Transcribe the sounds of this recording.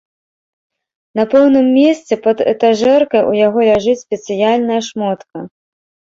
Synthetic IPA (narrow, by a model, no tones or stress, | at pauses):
nɐpɛwnɨmːʲesʲt̪t͡s̪ʲɛpɐd̪ɛ̰t̪aʐɛrkɐjṵjaɣɔlʲaʐɨt͡sʲsʲpʲɛt̪sɨjalʲnɐjɐʂmɔt̪kɐ